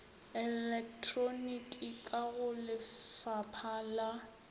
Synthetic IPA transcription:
ɛlɛk̚tʰʼronikʼikʼaɣʊlɪfapʰaːla

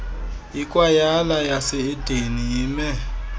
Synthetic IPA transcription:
ikʼwajalajasɪɪd̥ʱenijiːmɛ

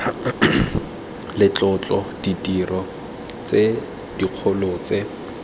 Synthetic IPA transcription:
lɪt͡ɬʼɔt͡ɬʼɔd̥itʼirɔ | t͡se | d̥iq͡χʰʊlʊt͡sʼe

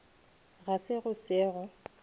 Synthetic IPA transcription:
ɣasɪɣʊsɛːɣɔ

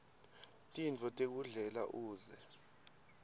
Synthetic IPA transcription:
tʼint͡fʰʼɔtʼek̬uɮɛla̰ʔuːzɛ

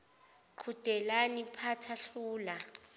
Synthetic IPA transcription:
ǃʰud̥ʱɛlanipʰatʰaɬuːla

